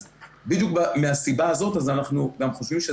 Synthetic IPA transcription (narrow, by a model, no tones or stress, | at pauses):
bid̪juk̚bameasibaːzo̞t̪azanaχnuɡamχo̞ʃvimʃe